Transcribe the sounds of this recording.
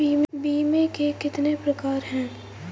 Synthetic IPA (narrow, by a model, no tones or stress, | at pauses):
iːmbiːmekekɪt̪nepɾɐkaːɾɦɛ̃ː